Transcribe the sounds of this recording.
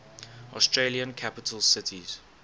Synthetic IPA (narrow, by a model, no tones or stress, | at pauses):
ʔɔ̰stɹeliə̃nkʰapɪtʰəlˠsɪtʰiz̥